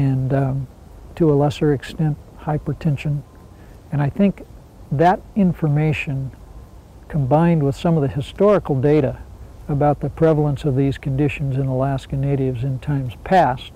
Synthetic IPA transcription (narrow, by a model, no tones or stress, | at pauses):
ɨ̃n | tʰəəlɛsə˞ɨkstɛ̃nt̚haɪpɹ̥ɨtʰɛ̃nʃɨ̃n | ɨ̃ɾ̃aɪθɪ̃ŋk | ðɨɾɪ̃ɱfə˞meɪʃɨ̃n | kʰə̃mbãɪ̃nd̚wəð̥sʌ̃mʌvðɨhɨstɔɹɨkl̩ˠdeɪɾɨəbaʊt̪̚ðɨpʰɹ̥ɛvl̩ˠə̃nsʌvðiz̥kʰɨ̃ndɪʃn̩zɨ̃nəlæskɨneɪɾɨvzɨ̃ntʰãɪ̃mz̥pʰæst̚